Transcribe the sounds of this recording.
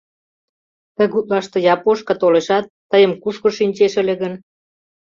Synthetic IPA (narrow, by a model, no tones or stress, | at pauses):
t̪ə̆ɣut̪̚lɑʃt̪ɤ̆jɑpoʃkɑt̪oleʃɑt̪ːəjə̆mkuʃkŏʃinʲt͡ɕeʃə̆leɣən